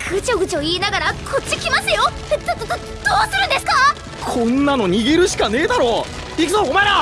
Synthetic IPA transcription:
kʰɯt͡ɕoɡɯ̟t͡ɕio̞iːnaɡaɾakʰot͡ɕːikʲimaɕt̪ajoset̪ːat̪ot̪o | d̪̥oːsɨɾɯ̟̃nd̪e̞sɨ̥ka | kʰõ̞nːano̞ɲ̟iɡeɾɯ̟ɕi̥kane̞ːd̪aɾo̞ː | ikɯzoːɡomaeɾa

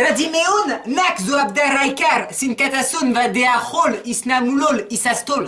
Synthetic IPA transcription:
ɾad̪imeɔnnakzuab̚d̪aɾajkaɾsinkat̪asɔnvad̪eaχɔlisnamulɔlisast̪ɔl

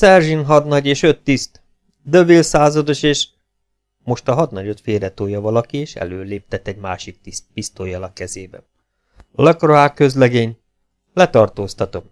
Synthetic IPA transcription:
sɛrʒinɦɒd̪nɒɟeːʃø̞t̪ːist̪ | d̪ø̞bilsaːzɒd̪o̞ʃeːʃ | mo̞ʃt̪ɒɦɒd̪nɒɟot̪feːɾɛt̪oːjɒvɒlɒkieːʃɛ̰løːleːp̚t̪ɛt̪ːɛɟma̰ːʃik̚t̪ist̪pist̪oːjɒlɒkɛzeːbɛ̰n | lɒkroaːkø̞zlɛɡeːɲ | lɛt̪ɒrt̪oːst̪ɒt̪o̞m

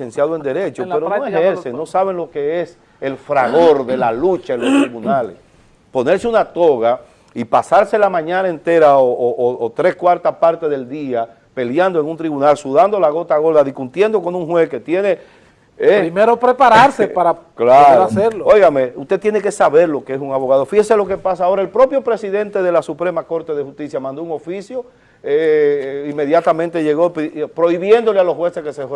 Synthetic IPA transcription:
sensjaðoend̪e̞ɾet͡ʃoeɾooeesenosaβe̞ŋlo̞ke̞es | elfɾaɣo̞ɾðe̞lalut͡ʃaenlost̪ɾiβunalḛs | po̞ne̞ɾseunat̪o̞ɣa | ipasaɾse̞lamãɲãnaent̪e̞ɾaooːt̪ɾe̞skwaɾt̪aspaɾt̪eðe̞ld̪ia | pe̞ljand̪oe̞ŋunt̪ɾiβunalsuðand̪o̞laɣo̞t̪aɣo̞ɾðaðiskunt̪je̞nd̪o̞ko̞nuŋhwe̞ske̞t̪je̞ne̞ | eɾimeɾopɾepaɾaɾsepaɾaklaɾaseɾloo̞jɣame̞ust̪et̪jeneke̞saβe̞ɾlo̞keesuŋaβoɣaðo̞fiheselo̞ke̞pasaːo̞ɾaelpɾo̞pjo̞pɾe̞siðe̞nt̪e̞ðe̞lasupɾe̞mako̞ɾt̪e̞ðehust̪isjamãnd̪o̞uŋo̞fisjo̞ | eimːe̞ðjat̪amẽnt̪e̞ʝeɣoppɾo̞iβjend̪o̞lealohɦwe̞seskese

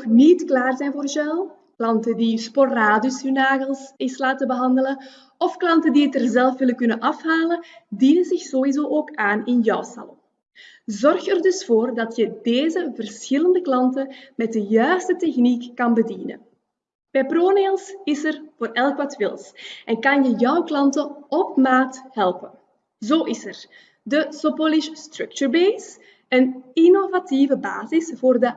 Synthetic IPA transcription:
ɔxnitklaːrzɛjnvoːrzœlˠ | klɑntədisporaːdʏshynaːɣəlˠsɪslaːtəbəɦɑndələn | ɔfklɑntəndiətərzɛlˠfʋɪləkʏnənʔɑfɦaːlədiːnənzɪxzoɦizoːʔoːkaːnɪnjœwsa̰lɔ̰m | zɔrxərdɵsfoːrdɑtjədeːzəvərsxɪləndəklɑntəmɛt̚dəjœɥstətɛxnikːɑnbədinə̰n | b̥ɛjproːneːlˠsɪsərvoːrɛlˠkʋɑtʋɪlˠsʔɛnkɑnjəjœwklɑntəɔp̚maːtɦɛlˠpən | zoːʔɪsər | dəsopolɪʃstrɵk̚t͡ʃuɹbeːs | ənɪnovativəba̰ːzɪsvoːrdə

